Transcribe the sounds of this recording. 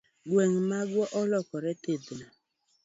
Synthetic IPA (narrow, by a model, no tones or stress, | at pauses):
ɡweŋmaɡwɔʔɔlɔkɔɾɛted̪na